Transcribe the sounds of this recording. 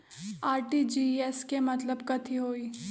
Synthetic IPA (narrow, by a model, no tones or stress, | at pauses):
aːɾʈid͡ʒiːɛskemɐt̪ləbkɐt̪ʰiɦoːiː